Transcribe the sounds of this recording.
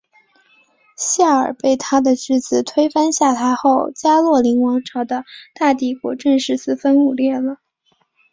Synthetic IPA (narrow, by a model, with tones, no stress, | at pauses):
ɕja˥˩ə˞˨˩pe˥˩ɪt̪ʰa˥d̪ə˨t͡ɕʰy˥t͡sɹ̩˨˩t̪ʰwe˥ɪfa˥nɕja˥˩t̪ʰa˧˥ɪxo˥˩ʊt͡ɕja˥lwɔ˥˩li˧˥ŋwɑ˧˥ŋʈ͡ʂʰɑ˧˥ʊd̪ə˧t̪a˥˧t̪i˥˩kwɔ̰˧˥ʈ͡ʂə˥˧nʂɻ̩˥˧sɹ̩˥˩fə˥nu˨˩ljɛ˥˩lə˩